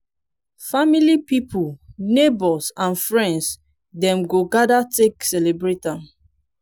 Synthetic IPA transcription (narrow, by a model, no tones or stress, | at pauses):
familipipʰulnebɔsãnfɹɛ̃nds | dɛ̃mɡoɡadateksɛlebɹetãn